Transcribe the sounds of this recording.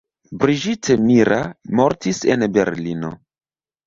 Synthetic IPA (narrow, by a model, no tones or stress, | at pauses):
bɾiʒitʰemiɾamo̞ɾtise̞̰nbe̞̰ɾlino̞̰